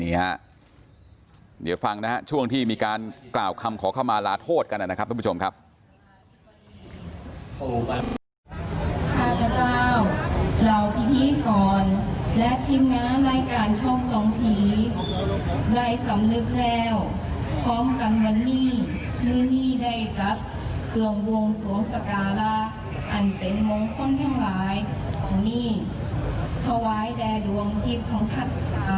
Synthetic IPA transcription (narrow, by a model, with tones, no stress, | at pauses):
ni˦˥ɐ | dḭː˨˩˦wfa˧ŋna˦˥ɦa˦˥t͡ɕʰu˥˩əŋt̪ʰiː˥˩miː˧kaː˧nklaː˨˩wkʰa˧mkʰɔː˩˦kʰa˥˩wmaː˧laː˦˧˥t̪ʰoː˥˩t̪̚ka˧nʔa˨˩na˦˥kʰa˦˥˦o˧mkʰa˦˥p̚ | kʰaː˥˩ka˧˩kaː˥˩wla˨˩wp̪ʰiː˧˥niː˥˩kɔː˨˩nlɛ˦˥t̪ʰi˧ŋnaː˦˥ɾaː˧jkaː˧nt͡ɕʰɔ˥˩ŋsɔː˨˩˦ŋpʰiː˨˩ | da˧˩jsa˨˩˦mnɯ˧˦˥k̚lɛː˧˩w | pʰɔː˦˥mka˧nwa˧˥nːiː˥˩ | mɯ˧˥˨niː˥˩da˧˥˩jta˦˥t̪̚ | kʰɯ˧˩əŋwo˧ŋsu˨˩˦əŋsa˧˩kaː˧la˦˥ | ʔa˨˩npe˨˦nwo˧ŋkʰo˥˨nt̪ʰaː˧ŋlaː˨˦jkʰɔː˨˩˦ŋniː˥˩ | t̪ʰa˧waː˦˥jdɛː˧du˧əŋt̪ʰiː˧˥˩p̚t̪ʰa˦˥ŋt̪ʰa˧˥˩t̪̚